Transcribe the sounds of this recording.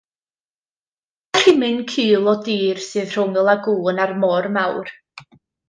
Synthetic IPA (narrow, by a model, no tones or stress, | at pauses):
aimɨnkʰiːlˠɔdiːrsɨːð̥r̥ʊŋəlˠaɡʊːnarmɔrmawr